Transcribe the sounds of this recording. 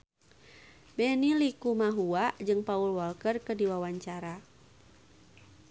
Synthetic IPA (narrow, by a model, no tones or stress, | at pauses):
bɛnilikumaɦuaʔd͡ʒɨŋpaulwɔlkərkədiwawaɲt͡ʃaɾa